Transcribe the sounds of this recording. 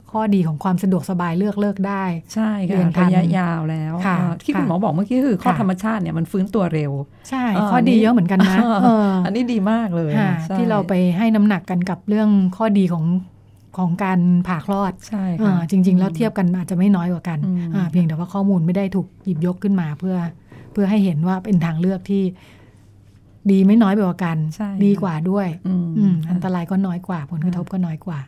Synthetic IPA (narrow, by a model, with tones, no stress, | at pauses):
kʰɔː˥˩diː˧kʰɔː˩˦ŋkʰwaː˧msa˧du˨˩ək̚sa˧baː˧jlɯ˥˩ək̚lɤː˥˩k̚daː˥˩jt͡ɕʰa˥˩jkʰɯ˧ənt̪ɾa˧ja˦˥jaː˧wlɛː˦˥wkʰa˥˩˧t̪ʰiː˥˩ku˧nmɔː˩˦bɔː˨˩k̚mɯ˥˩əkiː˦˥ʔʰɯː˧kʰɔː˥˧˩t̪ʰa˧mːa˧t͡ɕʰaː˥˩t̪̚ni˥˩ɐma˧nfɯː˦˥nt̪u˧ɐɾe˧w | t͡ɕʰa˥˩jkʰɔː˥˩diː˧jɤ˦˥ʔmɯ˩˦ə˦nka˧nnːa˥˦˥ʔːʔa˧nːiː˦˥diː˧maː˥˩k̚lɤː˧jkʰa˥˩tʰa˦iː˥˩ɾa˧wpa˧jɦa˥˩jna˦˥mna˨˩kːa˧nka˨˩p̚ɾɯ˥˩əŋkʰɔː˥˩diː˧kʰɔː˩˦ŋ | kʰɔː˩˦ŋkaː˧npʰaː˨˩kʰlɔː˥˩t̪̚t͡ɕʰa˥˩ʔɤː˧t͡ɕi˧ŋt͡ɕi˧ŋlɛː˦˥wt̪ʰi˥˩əp̚ka˧nʔaː˨˩t̪̚t͡ɕa˨˩ʔma˥˩jnɔː˦˥jkwaː˨˩ka˧nʔaː˧˩pʰi˧ŋd̪ɛ˨˩waː˥˩kʰɔː˥˩muː˧nma˥˩jda˥˩jt̪ʰuː˨˩k̚jiː˨˩p̚jo˦˥kʰːɯ˥˩nmaː˧pʰɯ˥˩ɐpʰɯ˥˩ɐɦa˥˩jɦe˩˦nwaː˥˩pe˧nt̪ʰaː˧ŋlɯ˥˩ək̚t̪ʰiː˥˩ | diː˧ma˥˩jnɔː˦˥ja˧˩kwaː˨˩ka˧nt͡ɕʰa˥˩jdiː˧kwaː˨˩du˥˩əjʔɯː˧ʔa˧nt̪a˧ɾaː˧jkɔː˥˩nɔː˦˥jkwaː˨˩pʰo˩˦nkɾa˧t̪ʰo˦˥p̚kɔː˥˩nɔː˦˥jkwaː˨˩